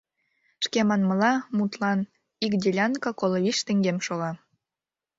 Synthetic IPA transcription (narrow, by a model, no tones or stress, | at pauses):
ʃkemɑnməlɑmut̪lɑn | ikdʲelʲɑnkɑkoloβiʃt̪ĕŋɡemʃoɣɑ